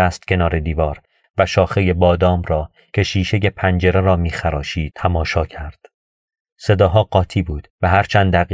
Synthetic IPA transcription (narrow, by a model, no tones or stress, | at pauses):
æst̪̚cʰʲe̞nɒːɾe̞d̪iːvɒːɾ | væʃɒːxe̞je̞bɒːd̪ɒːmɾɒː | cʰe̞ʃiːʃe̞je̞pʰænd͡ʒe̞ɾe̞ɾɒːmiːxæɾɒːʃiːt̪ʰæmɒːʃɒːcʰæɾd̪̥ | se̞d̪ɒːɦɒːɢɒːt̪ʰiːbuːd̪̥væɦæɾt͡ʃʰænd̪ːæɣ